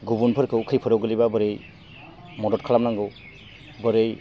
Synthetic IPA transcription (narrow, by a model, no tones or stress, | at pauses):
ɡubunpʰɯɾkʰɯwukʰɯjpʰɯɾɔwɡɯlibabɯɾɯj | mɔdɔtkʰalamnaŋɡɯw | bɔɾɯj